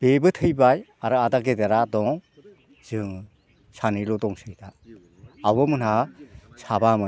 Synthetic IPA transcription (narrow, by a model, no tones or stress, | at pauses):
b̥ebɯtʰɯjbajaɾɯadaɡedeɾadɔŋ | z̥ɯ | sanɯjlɔdɔŋsɯjtʰaː | wβɯmɯnhasabamɯ